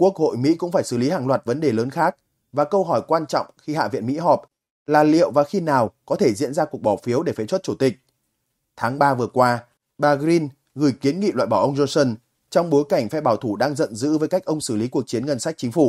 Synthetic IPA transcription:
ku˦˥ək̚ho̰˧˨jmḭ˧˥kʊ̰˧˥ŋ͡mfaː˧˩jsɨ˧˩li˨˦haː˨˩ŋlwaː˨˩t̚və˨˦nɗe˨˩ləː˨˦nxaː˦˥k̚ | vaː˨˩kə˧wɦɔ˧˩jkwaː˧nt͡ɕɔ̰˧˨wŋ͡mxi˧ha̰ː˧˨vḭ˧˨ənmḭ˧˥ɦɔ˨˩p̚ | laː˨˩lḭ˧˨əwvaː˨˩xi˧naː˨˩wkɔ˨˦t̪ʰe˧˩zḭ˧˥ənzaː˧ku˨˩ək̚ɓɔ˧˩fi˨˦əwɗe˧˩fɛ˨˦t͡ɕwə˦˥t̚t͡ɕu˧˩t̪ï˨˩k̟̚ | t̪ʰaː˨˦ŋɓaː˧vɨ˨˩əkwaː˧ | ɓaː˧ɣɾi˧n | ɣɨ˨˧˩jki˨˦ənŋḭ˧˨lwa̰ː˧˨jɓaː˧˩wʔə˧wŋ͡mzo˧nsə˧n | t͡ɕɔ˧wŋ͡mɓo˨˦jka˧˩jŋ̟fɛ˧ɓaː˧˩wt̪ʰu˧˩ɗaː˧ŋzə̰˧˨nzɨ̰˧˥vəː˨˦jka˦˥k̟̚ʔə˧wŋ͡msɨ˧˩li˨˦ku˨˩ək̚t͡ɕi˨˦ənŋə˧nsa˦˥jk̟̚t͡ɕï̟˨˦fu˧˩

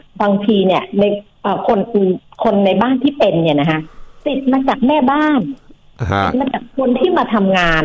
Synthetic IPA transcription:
baː˧ŋt̪ʰiː˧ni˥˩ɐna˧j | ʔəː˨˩kʰo˧nʔɯ˧kʰo˧nːa˧jbaː˥˩nt̪ʰiː˥˩pe˧nːi˦˥˩na˦˥kʰa˦˥ʔt̪i˨˩t̪̚maː˧t͡ɕaː˨˩k̚mɛː˥˩baː˥˩n | i˨˩maː˧t͡ɕaː˨˩kkʰo˧nt̪ʰiː˥˩maː˧t̪ʰa˧mŋaː˧n

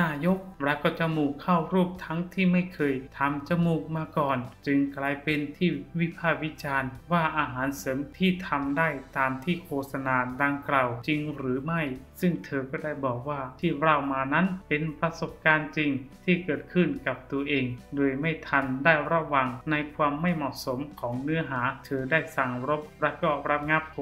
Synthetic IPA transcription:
naː˧jo˦˥k̚ɾa˧˥kɔː˥˩t͡ɕa˨˧˩muː˨˩kʰːa˥˩wɾuː˥˩p̚t̪ʰa˦˥ŋt̪ʰiː˥˩ma˥˩jkʰɤː˧jt̪ʰa˧mt͡ɕa˧˩muː˧˩k̚maː˧kɔː˨˩nt͡ɕɯ˧ŋklaː˧jpe˧nt̪ʰiː˥˩wi˦˥pʰaː˥˩wi˦˥t͡ɕaː˧nwaː˥˩ʔaː˧ɦaː˩˦nsɤː˩˦mt̪ʰiː˥˩t̪ʰa˧mdaː˥˩jt̪aː˧mt̪ʰiː˥˩kʰoː˧˩t̪̚sa˧naː˧daː˧ŋklaː˨˩wt͡ɕi˧ŋɾɯː˩˦ma˥˩jsɯ˥˩ŋt̪ʰɤː˧kɔː˥˩daː˥˩jbɔː˨˩k̚waː˥˩t̪ʰiː˥˩ɾaː˧˩wmaː˧na˦˥npe˧npɾa˧so˨˩p̚kaː˧nt͡ɕi˧ŋt̪ʰiː˥˩kɤː˨˩t̪̚kʰɯ˥˩nka˨˩p̚t̪u˧ɐʔeː˧ŋdoː˧jma˥˩jt̪ʰa˧ndaː˥˩jɾa˧˥wa˧ŋna˧jkʰwaː˧mːa˥˩jmɔː˨˩ʔso˩˦mkʰɔː˩˦ŋnɯ˦˥ɐɦaː˩˦t̪ʰɤː˧daː˥˩jsa˨˩ŋɾo˦˥p̚ɾa˦˧˥kɔː˥˩ɾa˦˧˥p̚ŋa˦˥p̚

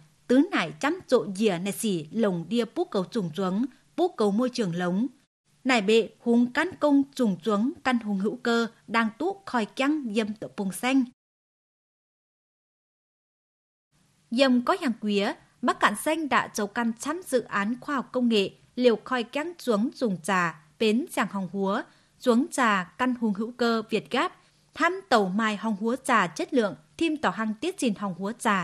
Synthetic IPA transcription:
t̪ɨ˨˦naː˧˩jt͡ɕa˨˦˥mt͡ɕo̰˧˨zi˧˩əna̰ː˧˨jsi˧˩lə˨˩wŋ͡mɗi˧əpu˦˥kːə˨˧wt͡ɕʊ˨˧˩ŋ͡mt͡ɕwə˨˦n | pu˦˥kə˨wmo˧jt͡ɕɨ˨˧˩əŋlə˨˦wŋ͡m | naː˧˩jɓḛ˧˨hu˨˦ŋka˧nkə˧ŋ͡mt͡ɕʊ˨˧˩ŋ͡mt͡ɕwə˨˦ŋka˧nɦu˨˦ŋhɨ̰˧˥wkəː˧ɗaː˧ŋt̪u˦˥xɔ˧˩jka˧ŋzə˨˩mt̪ɨ̰˧˨pu˨˩ŋsa˧jŋ̟ | zə˨˩mkɔ˨˦ɲaː˨˩ŋkwi˨˦ə | ɓaː˦˥k̚ka̰ː˧˨nsa˧jŋ̟ɗa̰ː˧˥t͡ɕə˨˦wka˧nt͡ɕa˨˥mzɨ̰˧˨ʔaː˨˦nxwaː˧hɔ˨˩wk͡p̚kːə˧wŋ͡mŋḛ˧˨ | li˨˩əwxɔ˨˩jka˧ŋt͡ɕu˨˦əŋzʊ˨˩ŋ͡mt͡ɕaː˧˩ | ɓe˨˦nzaː˨˩ŋhɔ˨˩wŋ͡mhu˨˦ə | t͡ɕu˨˦əŋt͡ɕaː˨˩ka˧nhu˨˦ŋɦɨ̰˧˥wkəː˧vi˨˩ət̚ɣaː˦˥p̚ | t̪ʰaː˧mt̪ə˨˩wmaː˨˩jɦɔ˨˩wŋ͡mhu˨˦ət͡ɕaː˨˩t͡ɕə˦˥t̚lɨ̰˧˨əŋt̪ʰi˧mt̪ɔ˧˩ɦa˧˩ŋt̪i˦˥ət̚t͡ɕi˧˩nhɔ˨˩wŋ͡mhu˨˦ət͡ɕaː˧˩

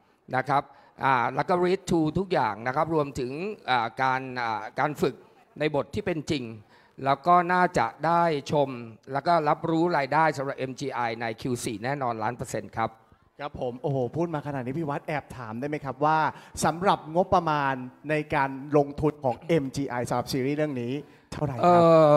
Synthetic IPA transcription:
na˦˥kʰɾa˦˥p̚ | ʔaː˨˩lɛː˦˥wkɔː˥˩ɾiː˦˥t̪ʰːuː˧t̪ʰu˦˥k̚jaː˨˩ŋna˦˥kʰa˦˥p̚ɾu˧əmt̪ʰɯ˩˦ŋʔaː˨˩kaː˧nʔaː˨˩kaː˧nfɯ˨˩k̚ | na˧jbo˨˩t̪ʰːiː˥˩pe˧nt͡ɕi˧ŋ | lɛː˦˥wkɔː˥˩naː˥˩t͡ɕa˨˩ʔdaː˥˩jt͡ɕʰo˧mlɛː˦˥wkɔː˥˩ɾa˦˥p̚ɾuː˦˥ɾaː˧jdaː˥˩jsa˨˩˦mɾa˨˩p̚ʔe˧mt͡ɕiː˧ʔa˧jna˧jkʰiː˧wsiː˨˩nɛː˥˩nɔː˧nlaː˦˥npɤː˧se˧nkʰa˦˥p̚ | kʰɾa˦˥pʰːo˨˩˦mʔoː˨˩hpʰuː˥˩t̪̚maː˧kʰa˧naː˨˩t̪̚niː˦˥pʰi˦˩wa˦˥t̪̚ʔɛː˨˩p̚t̪ʰaː˩˦mda˥˩jma˦˥jkʰɾa˦˥p̚waː˥˩sa˩˦mɾa˨˩p̚ŋo˦˥pːɾa˧maː˧nːa˧jkaː˧nlo˧ŋt̪ʰu˧nkʰɔː˩˦ŋʔe˧mt͡ɕiː˧ʔa˧jsa˨˧˦ɾa˨˩psiː˧ɾiː˥˩ɾɯ˥˩əŋniː˦˥ | t̪ʰa˥˩wɾa˨˩ʔɤː˧˩

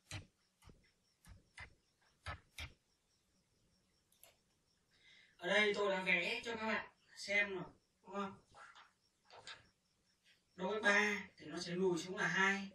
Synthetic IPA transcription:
ʔəː˨˩ɗə˧jti˨˩t̪o̰˧˨laː˨˦vɛ˨˦t͡ɕɔ˧kaː˦˥k̚ɓa̰ː˧˨nsɛ˧mno˨˩ | ɗŋ͡mhə˧˩w | ɗo˨˦vəː˨˦jɓaː˧t̪ʰi˨˩nɔ˨˦sɛ˧˥mu˨˩jsʊ˨˧˥ŋ͡mlaː˨˩ɦaː˧j

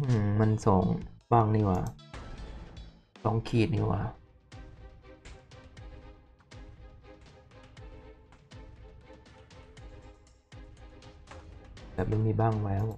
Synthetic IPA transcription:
ɯː˧˩ma˧nsoː˩˦ŋbaː˥˩ŋniː˧˩wa̰ː˨˩ | sɔː˨˦ŋkʰiː˨˩t̪̚nḭː˧˥˩wʔa̰ː˧˩˨ | bɛː˨˩p̚ma˥˩jmiː˧baː˥˩ŋlɛː˦˥w

